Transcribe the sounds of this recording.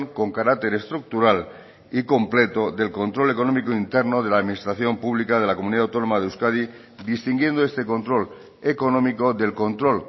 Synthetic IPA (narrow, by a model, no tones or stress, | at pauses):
ŋko̞ŋkaɾak̚t̪e̞ɾe̞st̪ɾuk̚t̪uɾal | iko̞mple̞t̪o̞ðe̞lko̞nt̪ɾo̞le̞ko̞nomikoint̪e̞ɾnoð̞e̞laðminist̪ɾaθjo̞mpuβlikað̞e̞lako̞muniðawt̪o̞no̞mað̞euskaði | d̪ist̪iŋɡje̞nd̪oe̞st̪e̞ko̞nt̪ɾo̞l | eko̞nõ̞miko̞ðe̞lko̞nt̪ɾo̞l